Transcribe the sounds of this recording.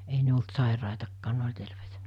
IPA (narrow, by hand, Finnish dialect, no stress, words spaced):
ei ne olt sɑˑirɑˑitɑkːɑːn ne olʲ terʋeitæ̥